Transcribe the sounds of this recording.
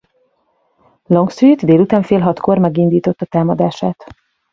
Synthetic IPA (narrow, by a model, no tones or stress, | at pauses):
loŋksyːt̪d̪eːlut̪aːɱfeːlɦɒt̪ko̞rmɛɡind̪iːt̪o̞t̪ːɒt̪aːmɒd̪aːʃaːt̪